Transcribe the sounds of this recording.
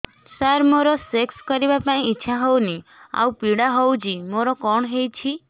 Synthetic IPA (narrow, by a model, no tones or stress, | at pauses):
saɾmoɾɔsekskɔɾibapaĩːtːʃʰaɦownia̰wpiɽaɦowd͡ʒimoɾɔkɔɳ̃ɦejt͡ʃʰi